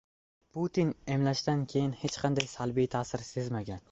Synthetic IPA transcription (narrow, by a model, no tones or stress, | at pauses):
pʰut̪ʰinemlaʃt̪ankʲʰe̞jɪnhet͡ʃqʰɑnd̪ajsalbijt̪ʰaːsɪɾse̞zmaɡʲan